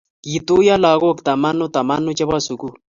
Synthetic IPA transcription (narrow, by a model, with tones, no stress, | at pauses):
ji˨t̪u˦ja˦la˨ɣo˦˨kt̪a˨ma˦no˦t̪a˨ma˦nu˦t͡ʃɛ˦βa˦su˨ku˦